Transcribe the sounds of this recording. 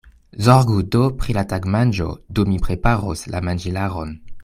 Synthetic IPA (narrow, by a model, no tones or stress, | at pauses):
zɔʁɡudopχilataɡmand͡ʒo̰dumipʁepaʁosla̰mand͡ʒilaʁon